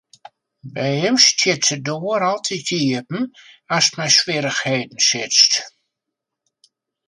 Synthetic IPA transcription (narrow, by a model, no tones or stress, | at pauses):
bɛjhɪmstjɪtsədoəɾɔlˠtʰitʰiəpn̩ | astmɛjsʋɪɾəxheːdn̩sɪt͡st